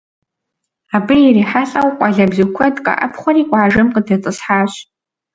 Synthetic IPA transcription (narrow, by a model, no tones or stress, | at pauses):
abɨjiɾiħaɬʼawqʷʼaɮabzɨkʷʰatʼkʼa̰ʔa̰pʰχʷarikʷʼaʕaʒɨmqʼədat͡sʼɨsħaʃ